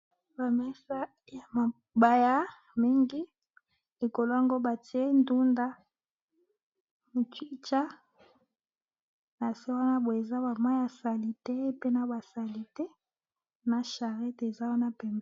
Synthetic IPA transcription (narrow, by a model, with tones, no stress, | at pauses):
ba˨mɛ˦sa˦ | ja˨ma˨ | ba˨ja˦ | mi˦ŋɡi˦ | e˨ko˨lo˦a˦˨ŋɡo˦ba˨ti˨˦e˦ndu˦nda˦ | m˨twi˦t͡ʃa˦ | na˨se˦wa˦na˦bo˨e˨za˦ba˨ma˦ja˨sa˨li˦tɛ˦pe˦na˦ba˨sa˨li˦tɛ˦ | na˨ʃa˨ʁɛ˦te˨za˦wa˦na˦pɛ˨m˦